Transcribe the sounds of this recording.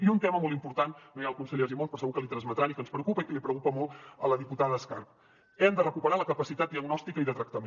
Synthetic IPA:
iunt̪ɛməmɔlˠt̪impuɾt̪anːojalˠkunsəʎeʒimonspɾɔsəɣukəlit̪ɾənzmət̪ɾanikənspɾəukupəikəlipɾəkupəmɔlˠt̪ələðiput̪aðəːskarp̚ | ɛmd̪ərəkupəɾaləkəpəsit̪at̪̚d̪iəɡnɔst̪ikəiðət̪ɾək̚t̪əme

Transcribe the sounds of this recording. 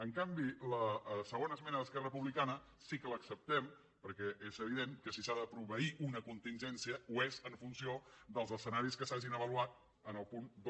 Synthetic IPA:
əŋkambiləsəɣ̞onəsmɛnəðəskɛrərəpuβlikanə | sikələksəp̚t̪ɛm | pəɾkɛʔezəβiðeŋkəsisaðəpɾuβəiʔunəkunt̪inʲʒɛnsiəuezəɱfunsiod̪əlˠzəsənaɾiskəsaʒinəβəluat̪̚ | ənəlˠpund̪

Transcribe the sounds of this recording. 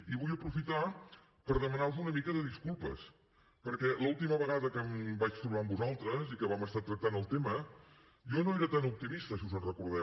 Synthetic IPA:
iβujəpɾufit̪a | pəɾðəmənaɾuzunəmikəðəðiskulˠpə̰s | pəɾkɛləulˠt̪iməβəɣaðəkəmbat͡ʃt̪ɾuβambuzalˠt̪ɾəzikəβaməst̪at̪ɾək̚t̪anəlˠt̪emə | jɔnoeɾət̪anup̚t̪imist̪əsiuzənrəkuɾðɛ

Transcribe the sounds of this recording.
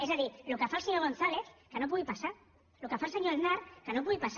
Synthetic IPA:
ezðaðilokafaseɲoɣ̞onθaleθkanop̬uɣipasaɾ | lokafalseɲoelnaɾkanop̬uɣipas

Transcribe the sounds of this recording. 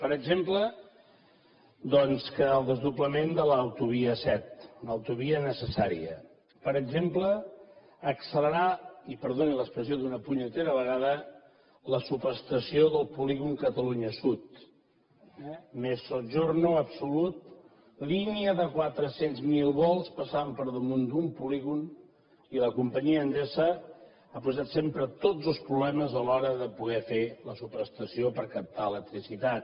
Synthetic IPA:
pəɾəɡʒemplə | d̪ɔnskəːlˠd̪əzðupləmend̪ələːwt̪uβiəsɛt̪nəwt̪uβiənəsəsaɾḭə̰ | pəɾəɡʒempləː | ksələɾaipəɾðoniləspɾəsioðunəpuɲət̪eɾəβəɣaðə | ləsupəɾst̪əsioðəlˠpuliɣuŋkət̪əluɲəsut̪ | mesoʒornuəpsulut̪̚ | liniəðəkwat̪ɾəsenzmilˠβɔlˠspəsaəmpəɾðəmund̪umpuliɣun | iləkumpəɲiəːnd̪ezə | apuzat̪sempɾət̪od͡zzəlˠspɾuβlɛməzəlɔɾəðəpuɣɛfeləsupəɾəst̪əsiopəɾkəp̚t̪aələk̚t̪ɾisit̪at̪

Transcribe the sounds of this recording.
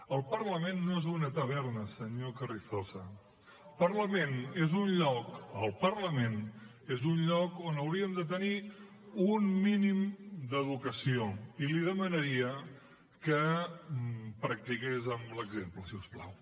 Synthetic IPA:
əlˠpəɾləmenːoezunət̪əβ̞ɛɾnəsəɲokərist̪osə | pəɾləmẽnezunʎɔkəlˠpəɾləmen | ezunʎɔkonəwɾiəmd̪ət̪əni | unminimd̪əðukəsioiliðəmənəɾiə | kə | pɾək̚t̪ikezəmləɡzempləsiuspla̰w

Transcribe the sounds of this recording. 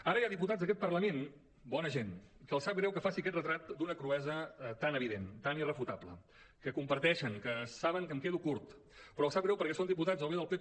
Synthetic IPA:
aɾəjaðiput̪adzðəkɛt̪̚pərləmen | bɔnəʒenkəːlˠsap̚ɡɣɾɛwkəfasiəkɛt̪rət̪ɾat̪̚d̪unəkɾuɛzət̪anəβiðent̪anirəfut̪aplə̰ | kəkumpəɾt̪ɛʃəŋkəsaβəŋkəmkeðukuɾt̪ | pɾɔəlˠsap̚ɡɾɛwpəɾkɛsond̪iput̪azoβeðəlˠpe

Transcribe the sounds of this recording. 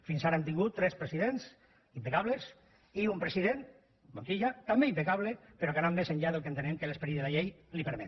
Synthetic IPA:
finsaɾaent̪̬iŋɡut̪ːɾɛspɾesiðens | impekaβles | iumpɾesiðen | monsiʎat̪ambeimpekaβlepeɾɔkananmeseɲʎaðelˠkent̪enemkelespeɾiðeðaʎejlipeɾmet̪

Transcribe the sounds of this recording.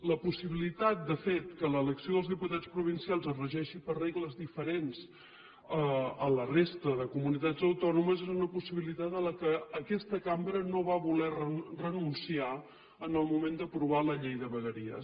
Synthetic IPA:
ləpusiβilit̪at̪̚d̪əfet̪kələːləksioðəlˠzðiput̪at͡spɾuβ̞insialˠzərəʒɛʃipərreɣləzðifəɾenz | əələrest̪əðəkumunit̪ad͡zzəwt̪ɔnuməzezunəpusiβilit̪at̪ələkəːkɛst̪əkambɾənoβaβulɛrərənunsia | ənəlˠmumend̪əpɾuβ̞aləʎejðəβəɣəɾiə̰

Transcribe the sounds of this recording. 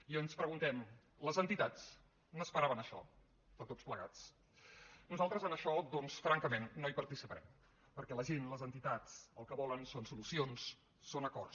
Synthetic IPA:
ionspɾəɣunt̪ɛm | ləzənt̪it̪at͡s | nəspəɾaβənəʃɔ̰ | p̪ət̪ot͡sspləɣat͡s | nuzalˠt̪ɾəzənəʃɔd̪ɔnsfɾaŋkəmenːoipəɾt̪isipəɾɛ̰m | pəɾkɛləʒenləzənt̪it̪at͡sə̰lˠkəβɔlənsonsulusionsː | onəkɔ̰r

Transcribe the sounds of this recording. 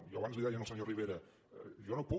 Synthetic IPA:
jɔəβanzliðaʒənəlˠsəɲoriβeɾə | ʒɔnopɔ

